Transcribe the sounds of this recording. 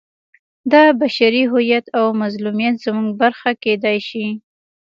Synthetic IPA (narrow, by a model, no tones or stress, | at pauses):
d̪ɑbaʃaɾiɦʊjat̪awmazlumijat̪z̥əmuŋɡ̚baɾxaked̪ajʃi